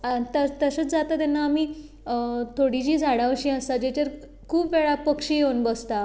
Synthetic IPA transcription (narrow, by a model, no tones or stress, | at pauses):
t̪ət̪əsət͡sd͡zat̪at̪ɛnːaːmiː | t̪ʰoɽid͡ʑiːd͡zʱaɽaʋəɕĩəst̪ad͡ʑat͡ɕəɾ | kʰuːpʋeɭapəkʂiːjewnbəst̪a